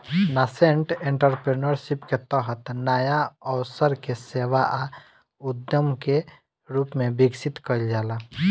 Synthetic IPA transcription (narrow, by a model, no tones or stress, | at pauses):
naseɳʈẽɳʈəɾpɾeːnəɾʃɪpket̪əɦət̪naːjaɔwsəɾkeseːʋaʔa | ʊd̪jəmke | ɾuːpmẽbɪɡsɪt̪kəld͡ʒaːla